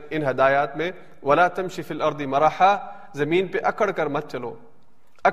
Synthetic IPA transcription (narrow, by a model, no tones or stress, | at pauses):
ɪnɦɐd̪aːjaːt̪mẽ | ʋɐlaːt̪ɐmʃifiːlɐɾd̪ɨmɐɾaːħa | zɐmiːnpeʔɐkəɽkɐɾmɐt̪̚t͡ʃɐlo̰ː | ɐ